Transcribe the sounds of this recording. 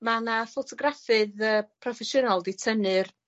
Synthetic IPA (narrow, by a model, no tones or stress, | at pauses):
manafɔtʰɔɡrafɨðəːpʰrɔfɛsjənalˠditʰənɨr